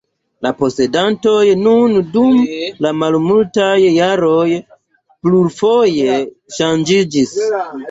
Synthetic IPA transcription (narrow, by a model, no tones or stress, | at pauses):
lapo̞se̞danto̞jnundumlamalmultajːaɾo̞j | pluɾfo̞je̞ | ʃand͡ʒid͡ʒis